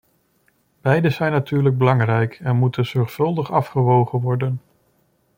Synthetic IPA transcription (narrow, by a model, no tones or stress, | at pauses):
b̥ɛjdəzɛjnatyːɹləɡ̚bəlɑŋrɛjkɛnmutʰənz̥ɔɹχfɵlˠdəχɑfχəʋowχənʋɔɹdən